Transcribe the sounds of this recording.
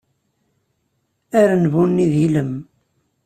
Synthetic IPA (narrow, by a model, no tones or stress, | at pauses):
æɾnvunːiðiləm